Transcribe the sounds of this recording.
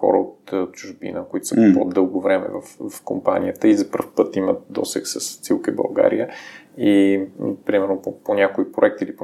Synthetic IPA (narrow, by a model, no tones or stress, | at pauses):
xɔ̰ɾə̰ot̪t͡ʃʊʒbḭnəkoit̪o̥səpod̪ɤlˠɡovɾɛmɛ̰vɐfvɐfkompa̰nijət̪əizɐpəɾfpɤt̪imət̪̚d̪ɔ̰sɛ̰ksəst̪silˠkəibɐ̰lˠɡa̰ɾijə | ipɾimɛɾnopoponʲakoipɾoʊɛk̚t̪iilipo